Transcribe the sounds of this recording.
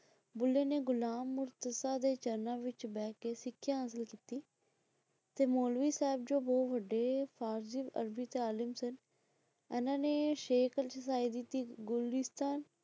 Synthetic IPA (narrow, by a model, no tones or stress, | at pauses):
bʊlːeːneːɡʊlaːmːʊɾt̪əsaːd̪eːt͡ʃəɾnãːʋɪt͡ʃbɛːkeːsɪkʰːjãːəs̬əlkiːt̪iː | t̪eːmoːlʋiːsɛːɪb̚d͡ʒoːbɔːʋəɖːeːpʰaːɾd͡ʒiʋə̰ɾbiːt̪eaːlɪmsən | ɛːnãːneːʃeːkʰəlt͡ʃəsaːiːd̪it̪iːɡʊlɪst̪aːn